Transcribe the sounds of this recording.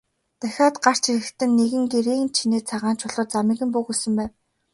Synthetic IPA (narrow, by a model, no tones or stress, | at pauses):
t̪æxʲaːt̪ɢar̥t͡ɕʰiɾɘ̆kt̪ʰɘ̆nːeɣɘ̆ŋɡeɾeːnt͡ɕʰineːt͡sʰaʁaːnt͡ɕʊɮɞ̆ːt͡samĭːɣɘ̆mpuɣusɘ̆mpæːn